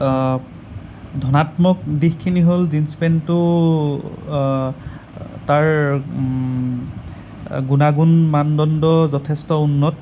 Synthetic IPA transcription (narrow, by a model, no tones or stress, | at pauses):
dʱɔnatmɔk̚dixkʰːiniɦolzinspentʊ | taɹ | ɡunaɡunmandɔndɔzɔtʰɛstɔunːɔt